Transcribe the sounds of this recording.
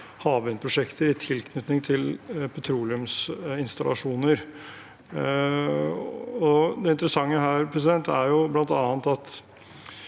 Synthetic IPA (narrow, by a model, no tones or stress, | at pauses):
hɑːʋʉnpʰɾʊʂɛkt̪əɾɪt̪ʰɪlkʰnʉt̪nɪŋt̪ʰɪlpʰɛt̪ʰɾuːlɪʉmsɪnst̪ɑlʔɑ̰ʂuːnəɾ | ɔd̪ɛɪnt̪əɾəsɑŋːəɦæːɾpʰɾɛs̬ɪd̪ɛnt̪æɾjʊblɑnt̪ɑːnt̪ɑt̪